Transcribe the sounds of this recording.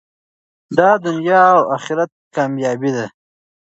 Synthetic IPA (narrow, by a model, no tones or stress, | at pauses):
d̪ɑːd̪ʊnjɑːwaxiɾat̪̚kɑmjɑːbid̪a